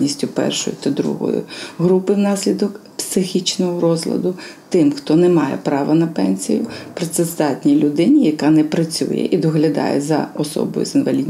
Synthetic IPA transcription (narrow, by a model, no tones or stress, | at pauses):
nʲisʲtʲʊpɛ̰rʃɔ̰jʊt̪ɐd̪ɾṵɦɔ̰jʊ̰ɦɾupɪwnɑsʲlʲid̪ɔkpsɪxʲit͡ʃnɔɦɔɾɔzlʲˠɐ̰d̪ʊt̪ɪmxt̪ɔnɛmɑjɛ̰pɾɑʋɐnɐpɛnʲsʲijʊpɾɔt̪sɛzd̪ɑtʲnʲilʲʊd̪ɪnʲijɐkɑnɛpɾɐt͡sʲṵjɛ̰ʔid̪ɔɦlʲɐd̪ɑ̰jɛ̰zɐɔsɔ̰bɔ̰jʊ̰zɪnʋɐlʲidʲnʲ